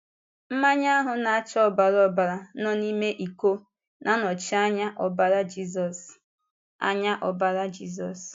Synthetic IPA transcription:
m̩˦ma˦ɲa˦a˦ɦʊ˨na˨a˦t͡ʃɔ˦˨ba˨ɾɔ˦ba˨ɾa˨˦nɔ˦ni˦me˦ʔi˨ko˦ | nʔa˨nɔ˨t͡ʃɪ˦a˦ɲa˦ʔɔ˨ba˦ɾa˦d͡ʒi˦zɔ˨s | a̰˦ɲa˦ʔɔ˨ba˨ɾa˦d͡ʒi˦zɔ˨s

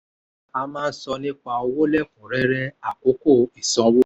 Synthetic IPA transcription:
a˧mãː˦˧n̩˦sɔ˧nĩ˦k͡pa˧o˧wo˦lɛ˦˨kũ˨ɾɛ˨˦ɾɛ˦a˨ko˨˦ko˦˨i˨sɔ̃˨˦wo˦

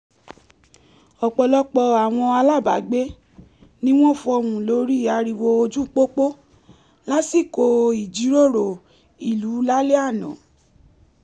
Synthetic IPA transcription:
ɔ˨k͡pɔ˧lɔ˧k͡pɔ˧a˨w̃ɔ̃˧a˧la˦˨ba̰˨˦ɡ͡be˦ | nĩ˦w̃ɔ̃˦˨fɔ˧wũ˨lo˨˦ɾi˦˨a˧ɾi˧wo˧o˧d͡ʒũ˦k͡po˦k͡po˦ | la˦si˦˨ko˧i˨d͡ʒi˨˦ɾo˦˨ɾo˨ | i˨lu˨˦la˦le˦a˦˨nɔ̰̃˨

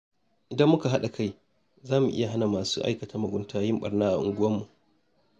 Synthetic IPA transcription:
ʔɪ˨dɐ˦mːʊ˦ka˨ɦa˦ɗa˨ka˦j | zaː˦mu˨ʔɪ̰˦ja˨ɦa˦na˨maː˨suː˦ʔa̰˦jkɐ˨taː˦mɐ˨ɡʷʊ˦ntʰaː˦jɪ˦mɓɐ̰˨rnaː˦ʔa̰˨ʔʊ̰˨ŋɡʷʊ˦wɐ˦mːu˨ʔ

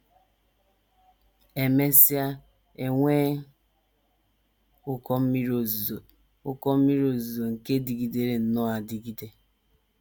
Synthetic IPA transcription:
e˨me˦si˦a˦ | e˨ŋʷe˦ | ʊ˦kɔ˦m̩˦mi˦ɾo˨z | ʊ˦kɔ˦m̩˦mi˦ɾo˨zu˨o˨ŋ̩˨ke˦di˨ɡi˨de˨ɾe˨n̩˨nɔ˦a˨di˨ɡi˦de˦

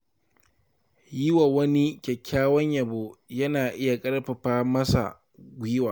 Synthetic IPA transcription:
jɪ˦wa˨wɐ˦ni˦kʲɛ˨kʰʲːaː˦wɐ˦ɲjɐ˨bo˦jɐ˦naː˨ʔɪ˦ja˨kʼɐ˦ɽɸɐ˨ɸaː˦mɐ˦sa̰˨ | ɡʷɪ˦waː˨

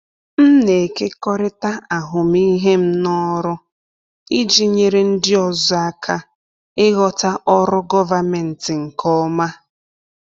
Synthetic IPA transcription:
m̩˦ne˨ke˦kɔ˦ɾɪ˦ta˦a˨ɦʊ˨mi˦ɦe˦m̩˦nɔ˦ɾʊ˦ | i˦d͡ʒi˦ɲe˨ɾe˦n̩˦dɪ˦ɔ˦zʊ˦a˦kʰa˦ | ɪ˦ɣɔ˦ta˦ʔɔ˦ɾʊ˦ɡɔ˦va˨me˨n̩˨tɪ˨ŋ̩˨kʰɔ˦ma˦

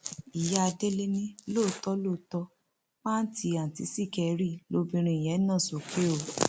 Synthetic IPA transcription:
i˨ja˦a˧de˦le˦nĩ˦lo˦˨tɔ˦lo˦˨tɔ˧ | mã˦n̩˦ti˧a˨ti˨˦si˦˨kɛ˧ɾi˦˨lo˧˦bĩ˧ɾ̃ĩ˧i˨j̃ɛ̃˨˦nã˦˨so˨kʰe˦o˨

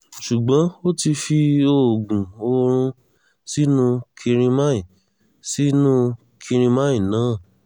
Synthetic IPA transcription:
ʃu˨ɡ͡bã˨˦o˦ti˧fi˧o˧˨ɡũ˨o˧ɾ̃ũ˧ | si˦nũ˧kʰĩ˧ɾ̃ĩ˧mã˦ĩ˨ | si˦nũ˦ | kʰĩ˧ɾ̃ĩ˧mã˦ĩ˦˨nãː˨˦˨

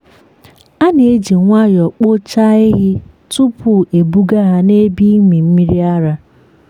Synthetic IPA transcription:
a˦ne˨e˦d͡ʒe˨ŋʷa˦jɔ˨k͡po˦t͡ʃa˦e˦ɣɪ˦ | tʊ˦pʰʊ˦˨e˨bu˦ɡa˦ɦa˦ne˦bi˦mi˨m̩˦mi˦ɾi˦a˦ɾa˦

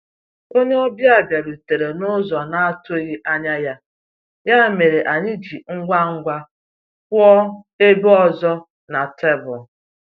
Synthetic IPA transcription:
o˦ɲe˦ɔ˦bja˨ba˨ɾu˨te˨ɾe˨nʊ˦zɔ˨na˦a˦tʊ˦ɣi˦ʔa˦ɲa˦ja˦ | ja˦me˨ɾe˨ʔa˨ɲɪ˦d͡ʒi˨ŋ̩˦ɡʷa˦ŋ̩˦ɡʷa˦ | kʷɔ˦ | e˦bɔ˦zɔ˦ | na˨te˦bʊ˨

